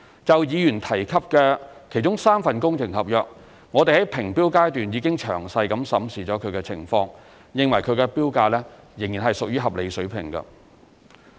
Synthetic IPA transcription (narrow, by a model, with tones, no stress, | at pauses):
t͡sɐ˨wjiː˨˧jyː˨˩nt̪ʰɐ˨˩jkʰɐ˥p̚kɛː˧kʰe˨˩jt͡ʃʊ˥ŋsaː˥mfɐ˨nkʊ˥ŋt͡sʰɪ˨˩ŋhɐ˨p̚jœː˨k̚ | ŋɔː˨˧t̪e˨jhɐ˨˥jpʰɪ˨˩ŋpiː˥wkaː˥jt̪yː˨njiː˨˧kɪ˥ŋt͡ʃʰœ̰ː˨˩ŋsɐ˧jkɐ˨˥msɐ˨˥msiː˨˧t͡ʃɔː˨˥kʰɵ˨˧kɛː˧t͡sʰɪ̰˨˩ŋfɔː˧ŋ | jɪ˨˧ŋwɐ˨˩jkʰɵ˨˧kɛ˧piː˥wkaː˧lɛ˥ | jɪ˨˩ŋjiː˨˩nɦɐ˨jsʊ˨k̚jɥyː˥ɦɐ˨p̚le˨˧jsɵ˨˥ɥpʰɪ˨˩ŋɡɐ̰˧